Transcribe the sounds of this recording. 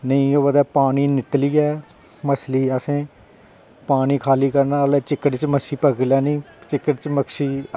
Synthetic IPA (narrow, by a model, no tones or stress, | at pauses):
nəĩːoːʋəd̪ɛːpaːniːnɪt̪liːɛː | məsliːəsẽː | paːniːkʰaːliːkəɾnaːlɛːt͡ʃɪkːəʈt͡ʃməsiːpəɡljaːnĩː | t͡ʃɪkːəʈt͡ʃməkʃiː